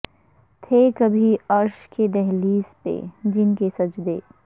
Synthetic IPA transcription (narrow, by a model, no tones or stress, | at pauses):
t̪ʰekɐbʱiɐɾʃked̪ɛɦliːspḛd͡ʒɪnkesɐt͡ʃd̪eː